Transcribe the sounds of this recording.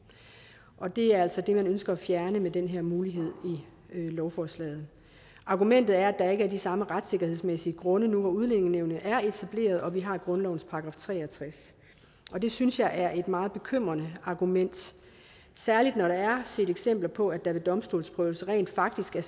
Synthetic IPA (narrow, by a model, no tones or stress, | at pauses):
ʔɒ̽d̥e̝æɐæl̰sɒ̽d̥e̝mænønsɡ̥ɐːfjæɐnəmed̥enɦeɐmuːliɦe̝ð̞̰ˠi | ølɒʊfɒːslɛ̰ːð̞̩ˠ | ʔɑ̈ɡ̥umen̰d̥ð̩ˠæɐæd̥ɑ̈e̝ɡ̥əæɐd̥isɑ̈məʁad̥se̝ɡ̥ɐhe̝ð̰ˠsmesiəɡ̥ʁɔ̽nənuɒuð̞ˠle̝neŋneʊ̰nəʔæɐe̝t͡sʰæb̥le̝̰ːɐð̞ˠɒ̽ʋiɦɑ̈ɡ̥ʁɔ̽nlɒʊn̩spʰɑ̈ʁɑɡ̥ʁɑ̈ːft͡sʰʁɛ̰ːɒt͡sʰʁas | ʔɒ̽d̥e̝synsjɑ̈ɪʔæɐʔe̝d̥mɑ̈ːð̞̩ˠb̥e̝kʰøm̰ʁɐnəɑ̈ɡ̥umen̰d̥ | sæɐlid̥nɒɾ̥eæɐse̝̰ːɾ̥eɡ̥sem̰b̥lɐpʰɒ̽æ̥ɑ̈ʋe̝d̥ɒ̽msd̥o̝̰ːlsb̥ʁœːʊlsəʁɛ̰ːnd̥fɑ̈ɡ̥̚d̥isɡ̥æɐ